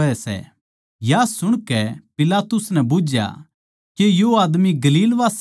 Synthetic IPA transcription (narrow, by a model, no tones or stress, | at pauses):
ɛsɛ̰ | jasʊɽ̃kɛpɪlaːt̪ʊsnɛbʊd͡ʒja̰ | kejoaːd̪miɡɐliːlʋaːs